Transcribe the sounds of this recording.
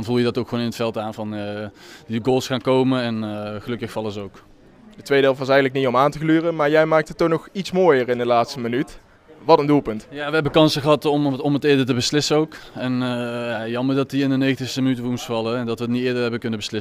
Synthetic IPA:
dɑnvulˠjədɑtowkχʋonɪnətfɛlˠtaːnvɑn | diɡoːlˠsχaːnkowmənɛnχəlɵkəxfɑlˠəzəowk | dətʋejdɪːlˠvɑsɛjɣəntləkniɔmaːntəklyːrəmaːɹjɛjmaːk̚tɦətːonɔχitsmoːjəɹɪndəlaːtstəmənyt | ʋɑtəndulˠpɵntjaːʋəɦɛbəkɑnsəɣəɦɑtɔmɔmətɪːɹdəɹtəbəslɪsənowkɛnjajɑməɹdɑtiɪndənejɣəntɪxstəmənytəʋəmustfɑlˠəɛndɑtʋəətnitɪːɹdəɹɦɛbəkɵnəbəslɪs

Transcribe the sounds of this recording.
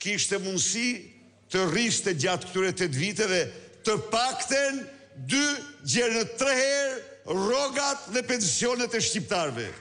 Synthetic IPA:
kiʃt̪ɛmund̪si | t̪əriʃt̪ɛd͡ʑat̪̚k̚t̪yɾɛt̪ɛt̪vit̪ɛvɛt̪əpakt̪ɛn | d̪yd͡ʑɛɾnət̪ɾɛhɛɾrɔɡat̪ðɛpɛnsjɔnɛt̪ɛʃcip̚t̪aɾvɛ̰

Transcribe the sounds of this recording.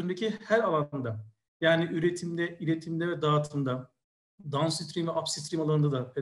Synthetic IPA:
nd̪ecʰihæɾalˠannd̪a | jaːniʔyɾet̪ʰimd̪ɛilʲet̪ʰimd̪ɛvɛd̪aːt̪ʰɯmd̪a | d̪ansit̪ɾimvɛapsit̪ɾimalˠaɾɯnd̪ad̪apʰe

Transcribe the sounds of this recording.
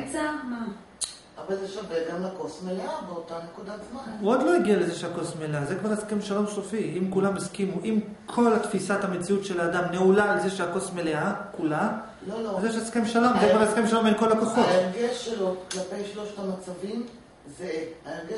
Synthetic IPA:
t͡sama | avalzeʃaveɡamlakosmeleabeotanekud̪at͡smanuod̪lo̞jaɡiale̞zeʃeako̞smeleazekvaʁeskemʃalo̞msofiimkulamiskimuʔim | kʰo̞lat̪fisat̪hamet͡siutʃelaːd̪amneulaːlzeʃeako̞smeleakula | lolozeʃeaskemʃalo̞mzekvaʁeskemʃalombenko̞lakoχo̞eʁɡeʃeloklape̞jʃloʃtamat͡savim | zeaeʁɡe

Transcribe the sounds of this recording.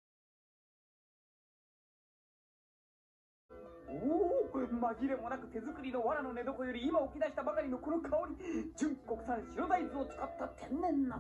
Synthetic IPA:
oːmaʑiɾe̞mo̞nakɯ̟t̪e̞zɨkɯ̟ɾʲino̞βaɾano̞ne̞d̪o̞ko̞jo̞ɾʲiːmao̞kʲid̪aɕi̥t̪abakaɾʲino̞konokʰao̞ɲ̟id͡ʑɨ̃ŋko̞kɯ̟̥sãnɕiɾo̞d̪aizɨo̞t͡sɨ̥kat̪ːat̪ʰẽ̞nːẽ̞nːa

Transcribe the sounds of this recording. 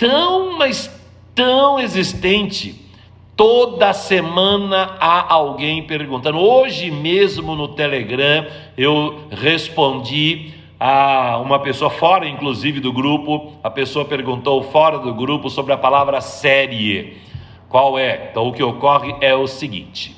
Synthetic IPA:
t̪ɐ̃w̃mɐs | t̪ɐ̃w̃ezist̪ẽnt͡ʃɪ | t̪od̪ɐsemɐ̃nɐaʔawɡẽj̃peɾɡũnt̪ɐ̃nd̪ʊoʒɪmezmʊnʊt̪eleɡɾɐ̃ | ewhespõd͡ʒi | aũmɐpesoɐfɔɾɐĩŋkluzivɪd̪ʊɡɾupʊɐpesoɐpeɾɡũnt̪owfɔɾɐd̪ʊɡɾupʊsobɾɪɐpalavɾɐsɛɾie | kwawɛ̃t̪ɐ̃w̃ʊkɪokɔʁɪʔɛʊsɪɡḭ̃t͡ʃɪ̥

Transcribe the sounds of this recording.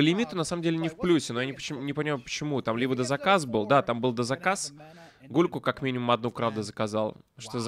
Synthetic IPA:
pəlʲɪmʲit̪ʊnɐsaməmdʲelʲɪnʲɪfplʲusʲɪnojanʲɪpət͡ɕɪnʲɪpəɪmajʊpə̥t͡ɕɪmut̪amlʲibəd̪əzɐkas̬bɨlˠd̪at̪ambɨlˠd̪əzɐkas | ɡulʲkʊkakmʲinʲɪmʊmɐd̪̚nupɾavd̪əzəkɐzalˠʂt̪oz

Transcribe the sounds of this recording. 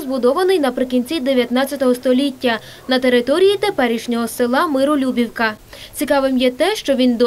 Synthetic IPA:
zbʊd̪ɔʋɐnɪjnɐpɾɪkʲinʲt͡sʲid̪eʋʲjɐt̪nɑt͡sʲɐt̪ɔɦɔst̪ɔlʲitʲːɐ | nɐt̪e̞ɾɪt̪ɔɾʲijit̪e̞pɛɾʲiʃnʲɔɦɔsɪlˠɑmɪɾʊlʲubʲiwkɐt͡sʲikɑʋɪmjɛt̪ɛʃt͡ʃɔʋʲind̪ɔ

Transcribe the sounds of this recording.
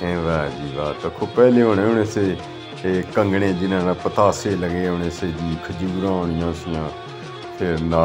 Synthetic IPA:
ẽːʋɛːd͡ʒiːʋaːt̪əkʰːoːpɛːleːɦonẽːʊneːseː | kəŋɡɽẽːd͡ʒɪnãːnãːpət̪aːseːləɡeːʊnẽːseːd͡ʒiːkʰəd͡ʒuːɾãːʊɳ̃ɪjãːsɪjãː | pʰɪɾnaː

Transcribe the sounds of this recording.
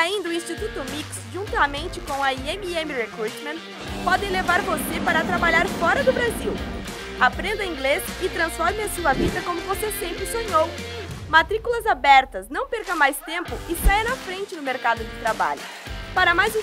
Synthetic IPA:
aĩnd̪ɐʊĩst͡ʃit̪ut̪ʊmiksʒũt̪ɐmẽnt͡ʃɪkõw̃ɐiemiẽmɪʁekɾut͡ʃmẽnt̪ | pɔd̪ẽj̃levaɾvosepaɾɐt̪ɾabaʎaɾfɔɾɐd̪ʊbɾaziw | apɾẽnd̪ɐĩŋɡlesɪt̪ɾɐ̃sfɔɾmɪɐsuɐvid̪ɐkõmʊvosesẽmpɾɪsõɲowmat̪ɾikulɐzabɛɾt̪ɐsnɐ̃w̃peɾkɐmajst̪ẽmpʊʔɪsajɐnɐfɾẽnt͡ʃɪnʊmeɾkad̪ʊd͡ʒɪt̪ɾaba̰ʎʊ̰paɾɐmajz̃

